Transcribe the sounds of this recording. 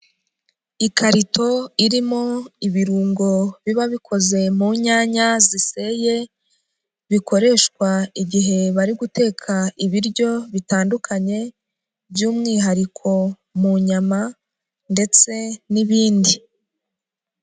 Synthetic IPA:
ikaɾito̞iɾimo̞iβiɾuːŋɡo̞βiβaβikʰo̞ze̞muɲaːɲazise̞je̞ | βikoɾe̞ːʃkwaiɟiɦe̞βaɾiɡute̞ːkʰaiβiɾɟjo̞βitaːndukʰaɲe̞ | bjuːmŋiːɦaɾikʰo̞ | muɲama | nde̞t͡se̞niβiːndi

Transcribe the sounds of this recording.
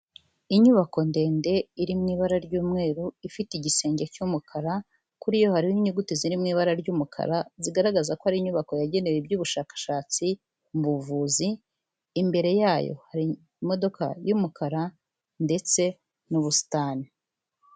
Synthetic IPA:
iɲuβako̞nde̞ːnde̞iɾimŋiːβaɾaɾɟuːmŋe̞ːɾuifitiɟise̞ːɲɟecuːmukʰaɾa | kuɾijo̞haɾiiɲuɡutiziɾimŋiːβaɾaɾɟuːmukʰa̰ɾaziɡaɾaɡazakoaɾiɲuβako̞jaɟe̞newebɟuːβuʃaːkḁʃaːt͡si | mbuvuːziː | mbe̞ɾe̞jaːjo̰haɾi | mo̞do̞ka̰juːmukaɾa | nde̞t͡se̞ | nuβusi̥taːni

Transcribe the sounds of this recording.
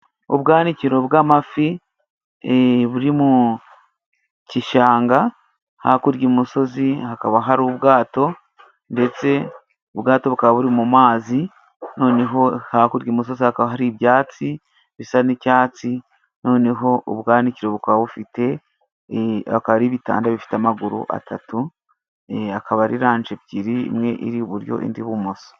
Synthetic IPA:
o̰βɡaːniciɾo̞βɡaːmafi | eβuɾimu | ciʃaːŋɡa | ha̰kuɾɟemuso̞zihakaβaɦaɾuβɡaːto̞ | nde̞t͡se̞ | oβɡaːto̞βukaβaβuɾimumaːzi | no̞ːne̞ɦo̞hakuɾɟimus̬o̞zihakaβaɦaɾiβjaːt͡si | βi̥sanicaːt͡si | no̞ːne̞ɦo̞uβɡaːniciɾe̞βukaβaβufite̞ | βakaβaɾiβita̰ːndaβifi̥teamaɡuɾṵʔa̰tʰatu | akaβaɾiɾaːnʒeβɟiɾḭːmŋe̞ʔḭɾiuβuɾjo̞̰ʔḭndiβumoso̥

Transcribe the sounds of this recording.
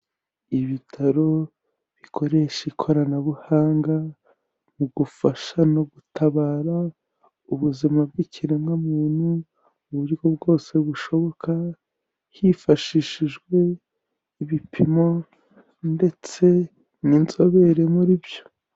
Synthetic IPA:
iβitʰaɾo̞ | βikʰo̞ɾe̞ʃikʰo̞ɾanaβuhaːŋɡa | muɡufaʃano̞ɡutʰaβaːɾa | uβuzimab̚ɡiciɾemŋamuːn̥huː | βuɾɡo̞bɡo̞ːse̞βuʃo̞βo̞ka | hifaʃiʃiʒɡwe̞ | iβipʰimo̞ | nde̞t͡se̞ | niːnzo̞βe̞ɾemuɾibjo̞̥

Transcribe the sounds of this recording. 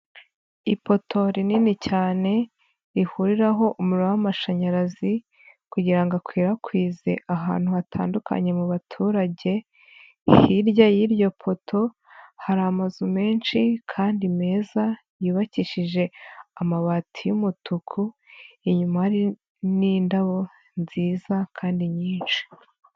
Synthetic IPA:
ipo̞tʰo̞ɾininicaːne̞ | ɾihuɾiɾaɦo̞ʔumuɾoawamaʃaɲaɾazi | kuɟiɾaŋɡakwiːɾakwiːze̞̰ʔaɦa̰ːn̥huatʰa̰ːndukʰa̰ɲe̞muβatʰuːɾaɟe̞ | hiɾɟajiɾjo̞pʰo̞tʰo̞ | haɾaːmazume̞ːnʃikʰaːndime̞ːza | jiːβaciʃiʒe̞amaβatʰijumutukʰuiɲumahaɾi | niːndaβo̞ | nziːzakʰaːndiɲiːnʃi̥

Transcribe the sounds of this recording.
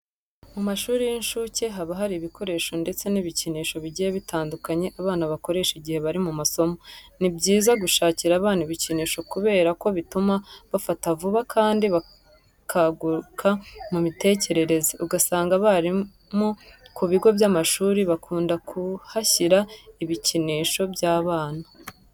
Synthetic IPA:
mumaʃuːɾijinʃuce̞ɦaβaɦaɾiːβikʰo̞ɾe̞ːʃo̞nde̞t͡se̞niβiciniːʃo̞βiɟijeβitʰaːndukaɲe̞ʔaβaːnaβako̞ɾe̞ʃiɟihe̞βaɾimumaso̞monibɟiːzaɡuʃaːciɾaːβaːniβiciniːʃo̞kuβe̞ːɾako̞βitumaβafatavuβakʰaːndiβa | kʰaɡuɾkʰamumite̞ːce̞ɾe̞ɾe̞zeʔuɡasaːŋɡaβaɾi | mokuβiɡo̞bjamaʃuːɾiβakʰuːndakʰuhaçiɾaiβiciniːʃo̞bjaːβaːnḁ

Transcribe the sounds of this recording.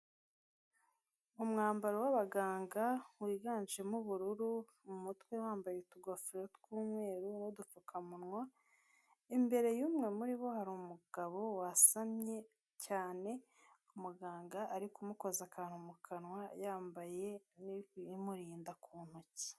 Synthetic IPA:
umŋaːmbaɾowaβaɡaːŋɡawiːɡaːnʒe̞muβuɾuɾu | umutwe̞waːmbajetuɡofiɾotkuːmwe̞ːɾunudufukʰamunŋwa | imbe̞ɾe̞juːmŋe̞muɾiβo̞haɾuːmuɡ̥aβo̞wasamɲe̞ | caːne̞ | umuɡaːŋɡaʔːɾikumuko̞zakʰaːn̥humukʰanwajaːmbaje̞niimuɾiːndakʰuːn̥huci̥

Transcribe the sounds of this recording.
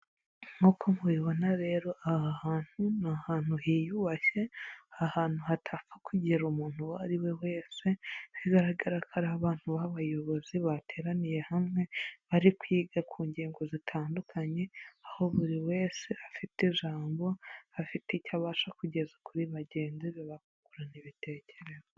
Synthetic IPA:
ŋokomwiβo̞naɾe̞ːɾo̞ʔahahaːn̥hunahaːn̥huhijuβaʃe̞ahaːn̥huhatʰafakuɟeɾumuːn̥huwaɾiwe̞we̞ːse̞βiɡaɾaɡaɾakʰaɾaβaːn̥huβaβajo̞βo̞ziβatʰe̞ːɾanije̞hamŋe̞βaɾikwiːɡakʰuːɲɟiːŋɡo̞zitʰaːndukʰaɲe̞aho̞βuɾiwe̞ːse̞afitiʒaːmbo̞hafiticaβaːʃakuɟe̞zakuɾiβaɟe̞ːnziβiβakukuɾaniβite̞ːce̞ɾe̞zo

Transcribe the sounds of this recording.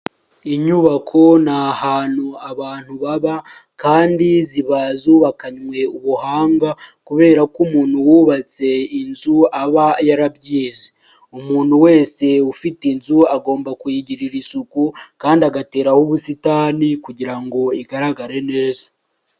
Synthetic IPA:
iɲuβakʰo̞nahaːnuaβaːn̥huβaβakaːndiziβazuːβakaɲŋwe̞uβuhaːŋɡakuβe̞ːɾakumuːnhuwuːβat͡se̞inzuaβajaɾabɟiːze | umuːn̥huwe̞ːse̞ufitinzuaɡo̞ːmbakujiɟiɾiɾisukukaːndiaɡate̞ːɾahuβusitaːnikuɟiɾaŋɡo̞iɡaɾaɡaɾe̞ne̞ːzḁ

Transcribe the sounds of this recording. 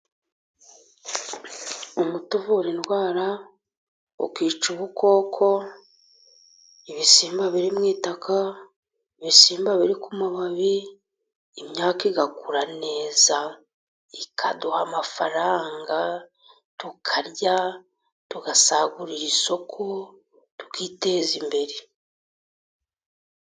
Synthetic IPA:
umutovoɾinwaːɾa | ṵkiːt͡ʃuβukʰo̞ːkʰo̞ | iβisiːmbaβiɾimŋiːtakʰa | iβisiːmbaβiɾikumuβaβiː | mɲaːkiɡakuɾane̞ːza | ikʰaduhamafaɾaːŋɡa | tukʰaɾɟa | tuɡasaɡuɾiɾiso̞kʰo | tu̥kiːte̞ːzimbe̞ɾe

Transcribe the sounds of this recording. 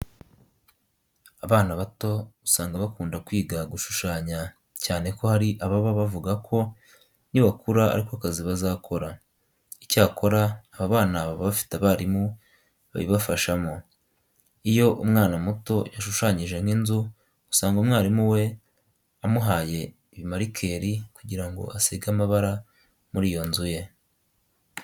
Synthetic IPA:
aβaːnaβato̞usaːŋɡaβakuːndakwiːɡaɡuʃu̥ʃaːɲa | caːne̞ko̞haɾiʔaβaβaβavuɡakʰo̞ | niβakuɾaa̰ɾiko̞akaziβazaːkʰo̞ɾa | icaːkʰo̞ɾaːβaβaːnaβaβaβafi̥taβaɾimu | βa̰βḭβafaʃamo | ijo̞ʔumŋaːnamuto̞jaʃuʃaɲiʒe̞ŋɡinzu | ɡu̥saːŋɡoumŋaːɾimuwe̞ | amuɦaːje̞ | βimaɾikʰeɾikuɟiɾaŋɡo̞̰aseɡamaβaɾa | muɾijo̞nzuje̞

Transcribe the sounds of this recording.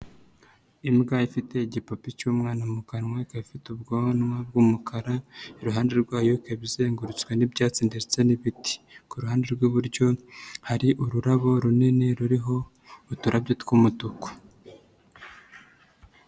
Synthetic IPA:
imɡaifite̞ɟipopicuːmŋaːnamukanŋwakaβifitubɡonŋab̚ɡuːmukʰaɾaiɾuɦaːnde̞ɾɡwaːjokeβize̞ːŋɡuɾut͡skwenibɟaːt͡siːndeɾit͡se̞niβiti̥kuɾuɦaːnde̞ɾɡuβuɾɟo̞haɾiʔuɾuɾaβo̞ɾunineɾuɾiɦo̞ | utuɾabɟotkwumutuko̥

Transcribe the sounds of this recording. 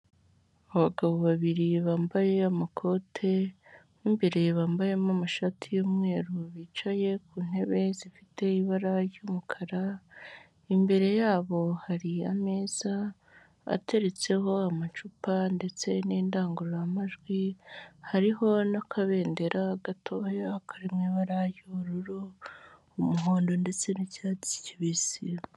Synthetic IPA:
aβaɡaβo̞βaβiɾiβaːmbaje̞amakʰo̞tʰe̞ | iːmbe̞ɾe̞βaːmbaje̞mamaʃatʰijoːmŋe̞ːɾuβit͡ʃaje̞kuːn̥he̞βe̞zifi̥te̞iβaɾajoːmukʰaɾa | imbe̞ɾe̞jaːβo̞haɾiame̞z̥a | a̰te̞ɾe̞t͡se̞ɦo̞amat͡ʃupande̞t͡se̞neːndaːŋɡuɾuɾamaʒɡwihaɾiɦo̞nakʰaβe̞ːnde̞ɾaɡatʰojaakʰaɾimŋiːβaɾajoɾuɾu | umuɦo̞ːndo̞nde̞t͡se̞nicaːt͡si̥ciβizi

